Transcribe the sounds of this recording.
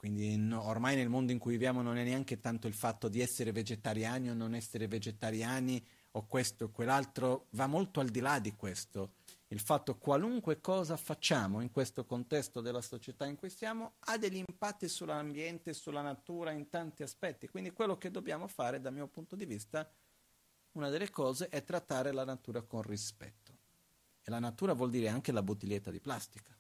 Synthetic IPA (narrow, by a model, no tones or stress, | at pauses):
kwind̪inormajnelmond̪oiŋkujvivjaːmononɛnːeaŋk̟et̪ant̪oilfat̪ːod̪iɛsːeɾeved͡ʒet̪aɾjaːniononɛsːeɾeved͡ʒet̪aɾjaːni | okwest̪oekːwelːalt̪ɾovamːolt̪oald̪ilad̪ːikwest̪oilfat̪ːokwaluŋkwekɔːzafat͡ʃːaːmoiŋkwest̪okont̪ɛst̪od̪elːasot͡ʃet̪aiŋkujsjaːmoad̪eʎːimpat̪ːisulambjɛnt̪esulːanat̪uːɾaint̪ant̪iaspɛt̪ːikwind̪ikwelːok̟ed̪ːobjaːmofaːɾeɛd̪amiːopunt̪od̪ivist̪a | unad̪elːekɔːzeʔɛt̪ːɾat̪ːaːɾelanat̪uːɾakonrispɛ̰t̪ːo̥ | elanat̪uːɾavwɔld̪iːɾeaŋk̟elabut̪ilːet̪ːad̪iplast̪ikḁ